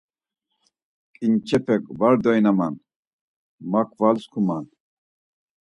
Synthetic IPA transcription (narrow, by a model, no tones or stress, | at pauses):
kʼint͡ɕepʰekbaɾd̪ɔjnɐman | makʰvalskʰuman